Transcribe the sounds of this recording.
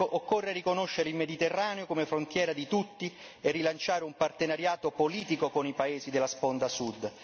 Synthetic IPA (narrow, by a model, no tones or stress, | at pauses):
oʔokːorːeɾikonoʃːeɾeilmed̪it̪erːaːneokomefɾont̪jɛːɾad̪it̪ut̪ːi | erːilant͡ʃaːɾeumpart̪enaɾjaːt̪opoliːt̪ikokonipaeːzid̪elːaspond̪asud̪ː